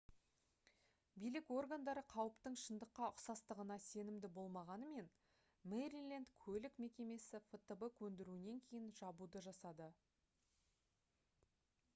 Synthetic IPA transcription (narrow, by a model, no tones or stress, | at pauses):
bijlɪko̞rɡand̪ɑɾəqʰɑwəpt̪əɴʃənd̪əqːɑʊqsɑst̪əʁənɑse̞nɪmd̪ɪbo̞lˠmɑʁɑnəme̞n | meɾilʲˠend̪kʲʰɵlɪkme̞kʲe̞me̞sɪfət̪əbəkʲʰɵnd̪ɪɾuɪne̞ŋkʲʰe̞jɪnʒɑbud̪əʒɑsɑd̪ə